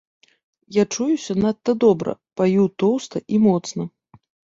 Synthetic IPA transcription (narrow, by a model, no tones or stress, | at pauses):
jat͡ʂujusʲɐnat̪ːɐd̪ɔbɾɐ̰pajut̪ɔwst̪ɐʔimɔt̪snɐ